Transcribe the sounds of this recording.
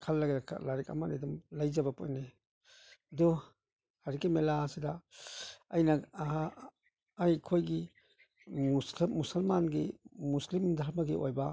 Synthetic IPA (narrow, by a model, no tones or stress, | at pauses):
kʰalːaɡeɾakʰa̰laɾika̰manedumlajzabapʰo̰jne | adu | haɾikimelasida | ajna | jkʰojɡi | usmusɐlmanɡimuslimd̪ʱaɾmaɡiʔojba